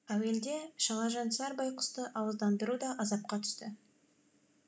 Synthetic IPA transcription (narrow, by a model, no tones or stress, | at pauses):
æwe̞ld̪e̞ʃɑlˠɑʒɑnsɑɾbɑjqʰʊ̥st̪əʔɑwəzd̪ɑnd̪əɾud̪ɑʔɑzɑp̚qɑt̪ʰʏ̥st̪ɪ